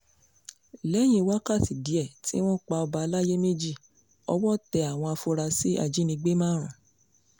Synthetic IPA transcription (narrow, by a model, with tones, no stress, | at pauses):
lɛ˦j̃ĩ˧wa˦ka˦˨ti˨di˨˦ɛ˦˨ti˨˦w̃ɔ̃˦˨k͡pa˧ɔ˧ba˧la˦je˦me˦d͡ʒi˦˨ | ɔ̰˧˦wɔ˦tɛ˧a˨w̃ɔ̃˧a˧fo˧ɾa˧si˨˦a̰˧˨d͡ʒi˦nĩ˧ɡ͡be˦mãː˦˨ɾ̃ã˨